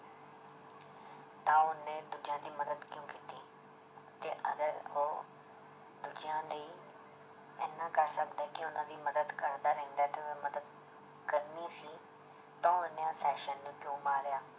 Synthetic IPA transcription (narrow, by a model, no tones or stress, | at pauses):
t̪ãːʊnẽːd̪ud͡ʒɪjãːd̪iːməd̪əd̪kjõːkiːt̪iː | t̪eːʔə̰ɡəɾoː | d̪ʊd͡ʒjãːləiː | ɛːnãːkəɾsəkd̪aːɛkɪʊnãːd̪iːməd̪əd̪kəɾd̪aːɾɛ̃ːnd̪aːt̪eʊeməd̪əd̪ | kəɾniːsiː | t̪ãːʊnjãːsɛːʃənːũːd͡ʒõːmaːɾɪjaː